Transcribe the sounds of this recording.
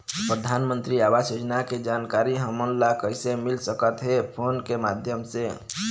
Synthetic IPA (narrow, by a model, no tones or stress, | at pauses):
pɾəd̪ʱanmənt̪ɾiabasjod͡ʒnaked͡ʒankaɾiɦəmənlakəisemilsəkət̪ɦepʰonkemad̪ʱjəmse